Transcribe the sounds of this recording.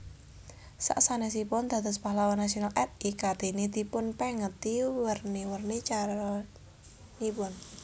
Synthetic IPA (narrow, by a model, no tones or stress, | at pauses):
sa̰ʔsanɛsipʊnd̪ä̤d̪əspaɦlawanːasionalʔɛt̪̚ikad̪enid̪̥i̤pʊnpɛŋət̪iwərniwərnit͡ʃaɾɔ | nipʊn